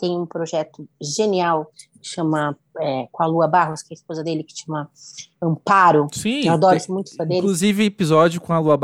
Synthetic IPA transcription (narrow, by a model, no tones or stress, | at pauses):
t̪ẽj̃ũpɾoʒɛt̪ʊʒeniawkɪ̥ʃɐ̃mɐ | ɛkõaluɐbaɦʊskɛɐɪspozɐd̪elɪkɪ̥ʃɐ̃mɐɐ̃mpaɾʊsĩewad̪ɔɾʊsmũj̃t̪ʊ̥sɐd̪eɾkluzivɪ̃epizɔd͡ʒʊkõɐluɐb